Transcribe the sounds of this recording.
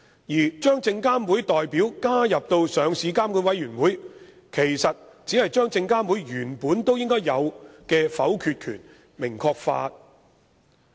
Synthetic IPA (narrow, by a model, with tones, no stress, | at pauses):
jiː˨˩t͡ʃœː˥ŋt͡sɪ˧ŋkaː˥mwu˨˥jt̪ɔː˨jpiː˨˥wkaː˥jɐ˨p̚t̪o˧wsœː˨˧ŋsiː˨˧kaː˥mkuː˨˥nwɐ˨˥jɥyː˨˩nwuː˨˥j | kʰe˨˩jsɐ˨t̚t͡siː˨˥hɐ˨jt͡ʃœː˥ŋt͡sɪ˧ŋkaː˥mwu˨˥jjyː˨˩npuː˨˥nt̪o˥wjɪ˥ŋkɔː˥jːɐ˨˧wkɛː˧fɐ̰˨˥wkʰyː˨˧t̚kʰy̰ː˨˩n | mɪ˨˩ŋkʰɔː˧k̚fa̰ː˧t̚